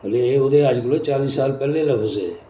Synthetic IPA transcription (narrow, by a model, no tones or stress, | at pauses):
əleeʊd̪eaːd͡ʒkʊlet͡ʃaːliːsːaːlpɛːlelɐfʰze